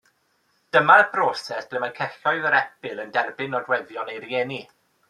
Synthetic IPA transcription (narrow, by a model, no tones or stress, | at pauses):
d̥əmaəbʰrɔsɛsb̥lɪmankʰɛɬɔɨðəɾɛpɪlˠəndɛrbɪnɔdwɛðjɔnejrieːni